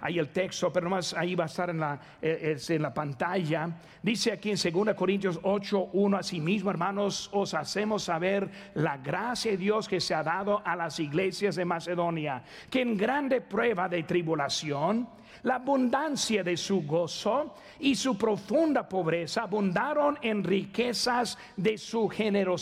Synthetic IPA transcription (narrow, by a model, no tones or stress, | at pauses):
a̰ielt̪ekst̪opeɾonomasaiβaest̪aɾenla | eest̪eːnlapant̪aʝa | d̪iseakienseɣund̪aeko̞ɾint̪josot͡ʃoʔunoasimizmoeɾmanososasemosːaβeɾlaɣɾasjaðeðjoskeseaðaðoʔalasiɣlesjazðemaseðonja | keːŋɡɾand̪epɾweβaðet̪ɾiβulasjon | laːβund̪ansjaðesuɣoso | isupɾo̞fund̪apoβɾesaːβund̪aɾonenrikesaz | ðesuxeneɾo